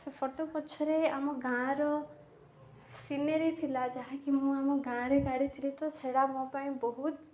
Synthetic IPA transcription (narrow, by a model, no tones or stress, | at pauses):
sepʰɔʈopɔt͡ʃʰɔɾeamɔ̃ɡãɾɔ | sineɾit̪ʰilad͡ʒaɦãkim̃ũamɔ̃ɡãɾeɡaɽit̪ʰilit̪ɔt͡ʃʰeɽamɔ̃pãĩbɔɦut̪